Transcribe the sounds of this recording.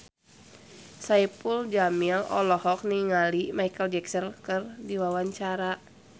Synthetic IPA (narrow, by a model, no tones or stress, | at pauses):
saipuld͡ʒamilɔ̰lɔhɔk̚niŋalimaikəld͡ʒɛksənkɨrdiwawaɲt͡ʃaɾa